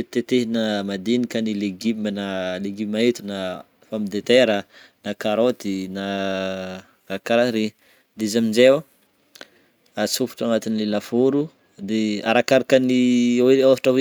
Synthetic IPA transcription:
t̪et̪eɦinamad̪inikanileɡimənaleɡimait̪una | famid̪et̪eɾə | nakaɾod̪ina | akaɾaɾi | d̪izamind͡ʒew | asufu̥ʈ͡ʂanat̪inilelafuɾu | d̪eaɾakaɾakəniweaɦaʈ͡ʂawe

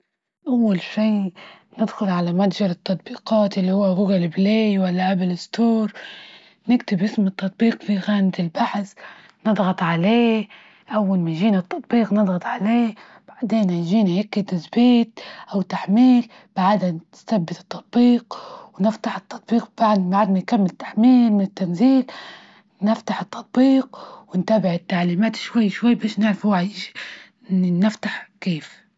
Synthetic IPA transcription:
ʔawːalʃiː | nɪd̪xʊlʕalamad̪ʒɑɾɨt̪ːɑt̪ˤbiːqɑːt̪ʔalːihuwːaɣʊɡalɪbleːjwalːaʔabɪlɪst̪uːɾ | nɪkt̪ɪbʔɪsmɨt̪ːɑt̪̚ˤbiːqfiɣaːnat̪ɪlbaħs | nɨd̪ˤɣɑt̪ˤʕaleː | ʔawːalmanʒiːnat̪ːɑt̪ˤbiːqnɨd̪ˤɣɑt̪ˤʕaleː | b̥aʕd̪eːnaʒiːnajɪkːɪt̪ɪzbeːt̪̚ʔawt̪ːaħmiːl | b̥aʕd̪anɪst̪abːɪt̪ɨ̥t̪ˤːɑt̪̚ˤbiːqwnɪft̪aħɨt̪ːɑt̪ˤbiːq̚b̥aʕd̪baʕad̪nankamːɪlt̪ːḁħmiːlmɪnɪt̪ːanziːl | nɪft̪aħɪt̪ːɑt̪̚ˤbiːq̚wɪnt̪abɪʕɪt̪ːaʕliːmaːt̪ʃwajːʃwajːbaːʃnɪʕɾafuwaʕʔɪʃi̥ | nɪft̪aħkeːf

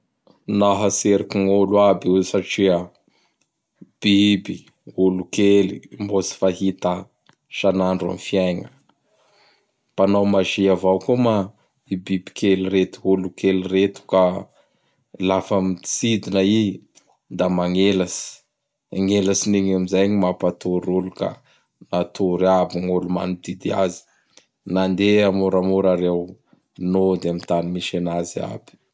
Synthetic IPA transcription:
naɦaseɾakiŋolwabiusaʈ͡ʂiə | b̥ibi | ulukelimbot͡si̥faɦit̪a | ʃanaɳɖ͡ʐa̰mfiajŋə | panawmaʒiavawkuma | ibibi̥kʰeliret̪u̥ɦulukeliret̪u̥ka | lafamit͡sid̪inai | nd̪amaŋelasi̥ | aŋelasiniɲamizajɲimapat̪uɾuluka̰ | nat̪uɾabiŋoluma̰nid̪id̪iazi̥ | nand̪eamuɾamuɾaɾew | nod̪eamint̪animiʃenazia̰bi̥

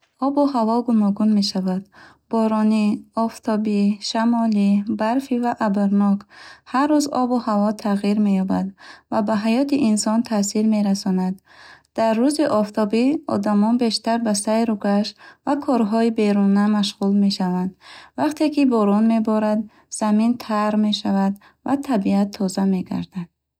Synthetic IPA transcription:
ɔbuhavɔɡunɔɡunme̞ʃavad̪ | bɔɾɔniɔft̪ʰɔbiʃamɔlibaɾfivaʔabaɾnɔkharːuzɔbuhavɔt̪ʰaʁiɾme̞jɔbad̪vabaɦajɔt̪iʔinsɔnt̪ʰasiɾme̞ɾasɔnad̪̥ː | arːuziʔɔft̪ʰɔbiɔ̰d̪amɔnbe̞ʃt̪aɾbasajɾuɡaʃvakʰɔɾɦɔibe̞ɾunamaʃʁulme̞ʃavand̪vaqt̪ʰe̞kibɔɾɔnme̞bɔɾad̪ | z̥amint̪ʰaɾme̞ʃavad̪ | va̰t̪ʰabiat̪ʰːɔzame̞ɡa̰ɾd̪ad̪̥̚

